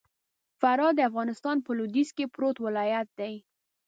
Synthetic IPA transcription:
faɾɑd̪əafɣɑnɪst̪ɑnpəlod̪iskepɾot̪wɪlɑjat̪̚d̪aj

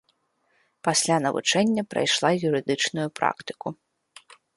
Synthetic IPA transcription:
pasʲlʲanɐvṵt͡ʂɛnʲːɐpɾa̰jʂlˠajuɾɨd̪ɨt͡ʂnujupɾa̰kt̪ɨ̥ku

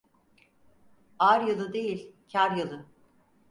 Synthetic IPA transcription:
aɾjɯlˠɯd̪ejilʲcʰaɾjɯlˠɯ

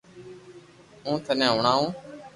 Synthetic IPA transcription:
ũːt̪ʰənẽːʊːɳaːũː

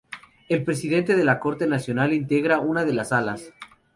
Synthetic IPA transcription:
e̞lpɾe̞sið̞e̞nt̪e̞ð̞e̞lako̞ɾt̪e̞nasjo̞nalint̪e̞ɣɾaunaðe̞lasalas

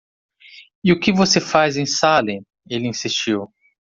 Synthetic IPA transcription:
iʊkɪvosefajzẽj̃salĩ | elɪĩsist͡ʃiw

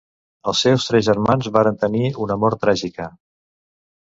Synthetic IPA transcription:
əlˠsɛwst̪ɾɛzʒəɾmanzβaɾənt̪əniunəmɔɾt̪ɾaʒikə

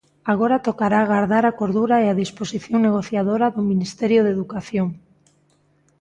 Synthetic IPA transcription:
aɣ̞oɾat̪okaɾaɣaɾðaɾakoɾðuɾaeaðisposiθjoŋneɣ̞oθjaðoɾaðominist̪eɾjoðeðukaθjoŋ

